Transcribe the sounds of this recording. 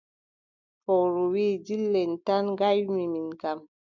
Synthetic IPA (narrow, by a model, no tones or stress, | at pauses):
fɔɾuwidilːɛntanɡajmiminkam